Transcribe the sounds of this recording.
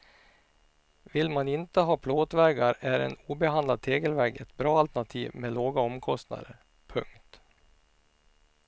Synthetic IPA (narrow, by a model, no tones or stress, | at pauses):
vɪlmanɪnt̪əɦɑːpʰloːt̪vɛɾɡaɾæɾɛ̰nuːbɛɦand̪lad̪̚t̪ʰeːɡəlvɛɾɡɛt̪bɾɑːalt̪ɛɳat̪ʰiːvmeloːɡaɔmkʰɔst̪na̰d̪əɾ | pʰɵ̰ŋkt̪